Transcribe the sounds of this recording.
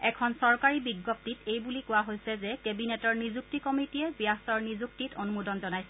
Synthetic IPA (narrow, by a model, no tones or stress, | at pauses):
ɛkʰɔnsɔɹkaɹibiɡːɔp̚titejbulikʊwaɦojsɛzɛkebinɛtɔɹnizuk̚tikɔmitijɛbjastɔɹnizuk̚titonumudɔnzɔnajsɛ